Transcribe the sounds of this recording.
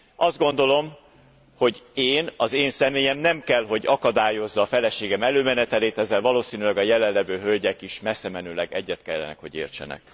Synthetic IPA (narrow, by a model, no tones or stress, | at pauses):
ɒzd̪ɡo̞n̪d̪o̞lo̞m | ho̞ɟeːnɒzeːnsɛmeːjɛmnɛmkɛlɦo̞ɟɒkɒd̪aːjo̞zːɒːfɛlɛʃeːɡɛmɛløːmɛnɛt̪ɛleːt̪ɛzːɛlvɒloːsiːnylɛɡɒjɛlɛnlːɛvøːɦølɟɛkiʃmɛsːɛmɛnøːlɛɡɛɟːɛt̪̚kɛlːɛ̰nɛ̰kho̞ɟḛːrt͡ʃɛ̰nɛ̰k